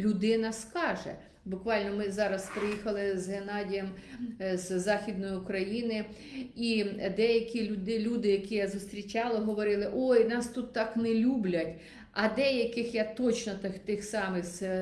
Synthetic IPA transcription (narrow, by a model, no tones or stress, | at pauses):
lʲʊd̪ɪnɐskɑʒɛ̰ | bʊkʋɑlʲnɔmɪzɑɾɐspɾɪjixɐlˠɪzɦenɑdʲijɐmzzɑxʲid̪nɔjiʊkɾɐjinɪ | id̪ɛjɐkʲilʲʊd̪ɪlʲud̪ɪjɐkʲijazʊst̪ɾʲit͡ʃɑlˠɐɦɔʋɔɾɪlˠɪʔɔjnɑst̪ut̪ːɑknɛlʲublʲɐtʲ | ʔɐd̪ɛjɐkɪxjat̪ɔt͡ʃnɔt̪ɪxt̪ɪxsɑmɪxz